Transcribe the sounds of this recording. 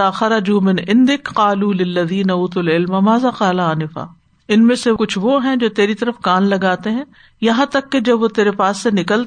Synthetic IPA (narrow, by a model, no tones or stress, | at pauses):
aːxɐɾɐd͡ʒuːmɪnʔɪ̃nd̪ɪkqaːluːlɪlːɐðiːnɐuːt̪ɐlɪlmɐmaːzaːqaːlaaːnɪfa̰ː | ɪnmẽsekʊt͡ʃʰʋoɦɛ̃d͡ʒoːt̪eːɾit̪ɐɾəfkaːnlɐɡaːt̪eɦɛ̃ | jɐɦãt̪ɐkːed͡ʒɐbʋot̪eːɾepaːsːenɪkəl